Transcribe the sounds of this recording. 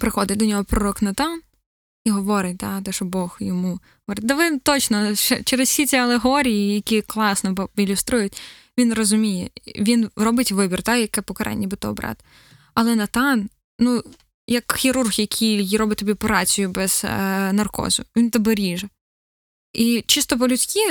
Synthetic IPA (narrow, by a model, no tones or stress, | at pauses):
pɾɪxɔd̪ɪd̪ɔnʲɔɦɔpɾɔɾɔknɐt̪ɑn | iɦɔʋɔɾɪt̚ʲt̪ɑt̪ɛʃɔbɔxjɔmuɦɔʋɔɾɪt̚ʲd̪ɐʋɪt̪ɔt͡ʃnɔɛ̰t͡ʃɛɾɪssʲit͡sʲiɐlˠeɦɔɾʲijijɐkʲiklˠɑsnɔɪlʲʊst̪ɾujʊtʲ | ʋʲinrɔzʊmʲijɛʋʲinrɔbɪtʲʋɪbʲirt̪ɑjɐkɛpɔkɐɾʔɛ̰nʲːibɪt̪ɔ̰bɾɑ̰t̪ | ɐlˠɛnɐt̪ɑn | nu | jɐkxʲiɾurɣjɐkʲʰijiɾɔbɪt̚ʲt̪ɔbʲipɔɾɑt͡sʲijʊbɛz̥nɐrkɔ̰zʊ̰ʋʲint̪ɔbɛɾʲiʒɛ | it͡ʃɪst̪ɔp̬ɔlʲʊt͡sʲkʲi